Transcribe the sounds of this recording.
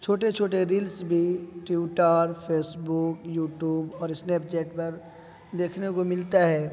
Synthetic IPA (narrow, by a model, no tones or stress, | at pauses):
t͡ʃʰoːʈet͡ʃʰoːʈeɾiːlsbʱiʈjuʈəɾpʰeːsbukjuːʈjuːbɔːɾɪsneːp̚t͡ʃɛːʈpɐɾ | d̪eːkʰnekomɪlt̪aɦɛː